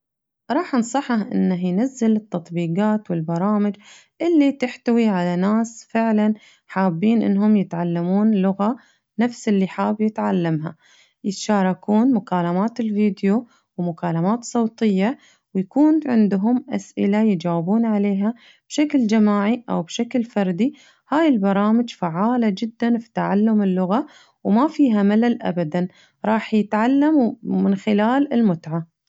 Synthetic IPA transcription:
ɾˤɑːħnsˤɑħːahʔɪ̰nːaɦjnazːalɪt̪ːɑt̪ˤbiːɡaːt̪wɪlbɑɾˤɑːmɪd͡ʒ | ʔɪlːit̪ɪħt̪awiʕalanaːsfɪʕlan | ħaːbːiːnʔɪ̰nːhʊmjɪt̪ʕalːamuːnlʊɣa | nafsɪlːiħaːbjɪt̪ʕalːamɦa̰ | jɪt̪ʃaːɾˤɑkuːnmʊkaːlamaːt̪ɪlviːd̪jo | wmʊkaːlamaːt̪sˤowt̪ˤɨjːa | wjakuːnʕɪnd̪ɦʊmʔa̰sʔɪ̰lajd͡ʒaːwɪbuːnʕaleːɦa | b̥ʃakld͡ʒamaːʕiʔa̰wbʃaklfɑɾˤd̪i | haːjɪlbɑɾˤɑːmɪd͡ʒfaʕːaːlad͡ʒɪd̪ːanfi̥t̪aʕalːʊmɪlːʊɣa | wmafiːɦamalalʔa̰bad̪an | ɾˤɑːħjɪt̪ʕalːammɪnxɪlaːlɪlmʊt̪ʕa

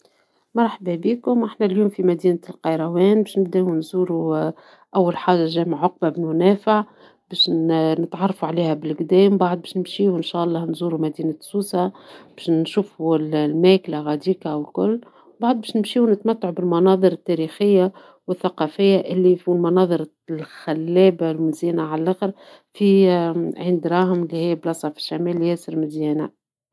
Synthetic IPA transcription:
mɑɾˤħbibiːkʊmʔaħnæljuːmfimæd̪iːnalqɑjɾˤɑwɛːnbɛːʃnɪbd̪æunzuːɾu | ʔæwːælħaːʒaʒæːmaʕʕʊq̚babɪlmʊnæːfaʕ | bæːʃnɪt̪ʕɑrˤːɑfuʕliːhæbɪlɡd̪ɛːmbaʕd̪̚ˤbæːʃnɪmʃiːuɪnʃæːʔɑlˤːɑːnzuːɾumæd̪iːnasuːsab̥æːʃnʃuːfullmæːklaɣæd̪iːkaʔwɪlkʊlː | baʕd̪̚bɛːʃnɪmʃiːunɪt̪mæt̪ːaʕubɪlmɑnɑːðˤɨɾɪt̪ːæɾiːxɪjːa | wɪθːaqɑfɪjːaʔɪlːifilmɑnɑːðˤɨɾ | lxælːɛːbalmɪzjiːnaʕallʔæxəɾ | fiʕɪnd̪ɾˤɑːhɪmlːihɪjːblɑsˤɑːfɪ̥ʃːamɛːljɛːsəɾmɪd̪jɛːna

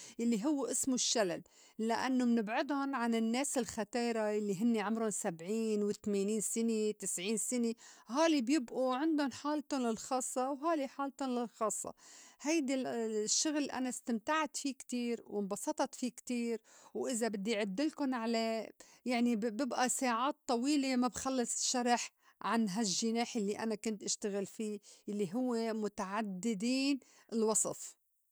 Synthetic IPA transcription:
jalːiɦʊwːʔɪsmʊʃːalal | laʔanːʊmnɪbʕɪd̪ʊnʕanɪnːeːsɪlxat̪iːɾˤajalːiɦɪnːiʕʊmɾʊnsabʕiːnwɪt̪meːniːnsɪnet̪ɪsʕiːnsɪneɦaːlibjɪbʔuʕɪnd̪ʊnħaːlt̪ʊnlɪlxɑːsˤːɑwɦaːliħaːlt̪ʊnlɪlxɑːsˤːɑ̰hajd̪iʃːʊɣlʔa̰nast̪amt̪aʕt̪fikt̪iːɾwɪmbɑsˤɑt̪ˤɑt̪fikt̪iːɾwʔɪzabɪd̪ːiʕʊd̪ːɪlkʊnʕalajaʕnibɪbʔasaːʕaːt̪ˤːɑwiːlemabxalːɨsˤʃɑɾˤɑħ | ʕanɦaʒːɪneːħjalːiʔanakʊnt̪ʔaʃt̪aɣɪlfiːjalːiɦʊwːemʊt̪aʕad̪ːɪd̪iːn | ɪlwɑsˤɨ̰f

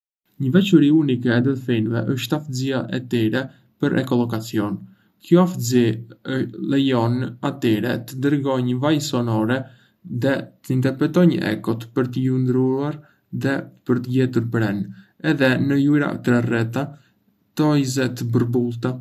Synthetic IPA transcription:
ɲəvɛt͡ʃəɾiunikɛːd̪əðfinvɛ̰ʔəʃt̪afziaʔɛt̪iɾɛ | pəɾʔɛ̰kɔlˠɔkat͡siɔn | kjɔafziəlɛjɔnat̪iɾɛ̰t̪əd̪əɾɡɔɲəvajsɔnɔɾɛ | ðɛt̪əint̪ɛɾpɾɛt̪ɔɲə̰ɛ̰kɔt̪pəɾt̪əjund̪ɾuaɾ | ðɛpəɾt̪əjɛt̪uɾpɾɛn | ɛðɛnəjuɾa̰t̪ɾɛrɛt̪a | t̪ɔjzɛt̪əbəɾbulˠt̪a

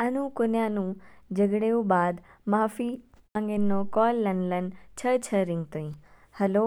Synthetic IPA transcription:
ənũkonjãnũd͡ʒəɡɽeũbaːd̪maːfi | ə̃ŋɡenːokɔlːənlənt͡ʃʰət͡ʃʰəɾĩŋɡ̚t̪oĩ | həloː

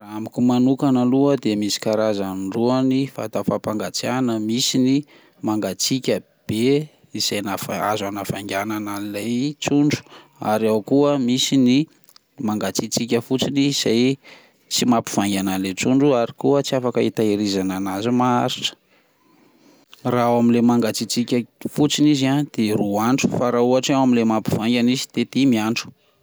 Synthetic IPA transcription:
raamikʲumanukanəluəd̪emisi̥kaɾazaɖ͡ʐuənifa̰t̪afapaŋɡat͡sianəmisini | maŋɡat͡sikʲə | b̥e | iz̥ajnafaa̰zanafaŋɡʲananailajt͡suɳɖ͡ʐu̥ | a̰ɾawkuəmisini | maŋɡat͡sit͡sikʲəfut͡siniiz̥aj | t͡simapi̥v̥aŋɡʲanalet͡suɳɖ͡ʐuaɾikuət͡siafakəit̪aiɾizananazimaaɾiʈ͡ʂə̥ | raaminlemaŋɡat͡sit͡sikʲafut͡sinizad̪̥eruaɳʈ͡ʂu̥faɾauaʈ͡ʂawamilemapi̥v̥aŋɡʲanizid̪̥et̪imiaɳʈ͡ʂu̥

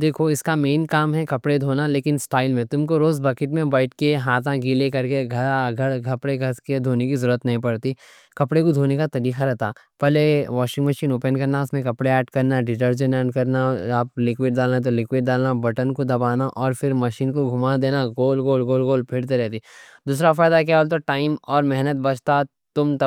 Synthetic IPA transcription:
d̪eːkʰoɪskameːnkaːmɦɛkɐpɽed̪ʱoːnaleːkɪnsʈaːɪlmẽt̪ʊmkoɾoːzbɐkɪʈmẽbaːɪʈ̚keɦaːt̪ʰãɡɪlekɐɾkeɡʱɐɾɡʱɐɽɡʱɐpɽeɡʱɐɾsked̪ʱoːnek̬izɐɾuət̪nɐɦĩpɐɽt̪i | kɐpɽekod̪ʱoːnekat̪ɐɾiːxaɾɛɦt̪ʰaː | pɛleʋɔːʃɪ̃ŋɡməʃiːnoːpənkɐɾnaʊsmẽkɐpɽeɛːɖkɐɾnaɖɪʈəɾd͡ʒənɛːɖkɐɾnaaːp̚lɪkwɪɖɖaːlnat̪̬olɪkwɪɖɖaːlnabɐʈənkod̪ɐbaːnaʔɔːɾfɪɾmɐʃiːnkoɡʱʊmad̪eːnaɡoːlɡoːlɡoːlɡoːlpʰɪɽt̪eɾɛɦt̪id̪uːs̬ɾafaːjd̪ak̬jaolt̪̬oʈaːɪmɔːɾmɛɦnət̪̚bɐt͡ʃʰt̪a | t̪ʊmt̪ɐ

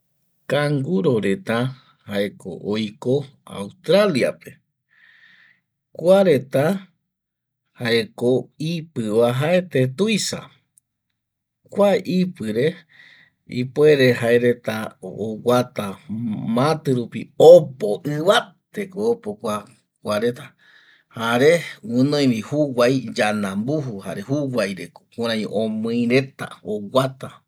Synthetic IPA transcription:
kaŋɡuɾo̞ɾe̞t̪a | haeko̰ʔojko̞a̰wst̪ɾalia̰pe̞̥ | kʷaɾe̞t̪a | haekoipɨβaɦaet̪et̪ujsa̰ | kʷaʔipɨɾe̞ | ḭpoeɾeɦaeɾe̞t̪aoɡat̪amãt̪ɨɾupiopoʔɨβat̪ekoopokʷa | kʷaɾe̞t̪a | haɾewɨ̃nõj̃mĩhuwajd͡ʒanãmbuɦuha̰ɾehuwajɾekokũɾ̃ãj̃õmɨ̃ĩɾe̞t̪a̰owat̪a

